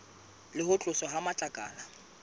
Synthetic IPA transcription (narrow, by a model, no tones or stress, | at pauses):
lɪhʊt͡ɬʼʊsɔɦamat͡ɬʼakʼa̰ːla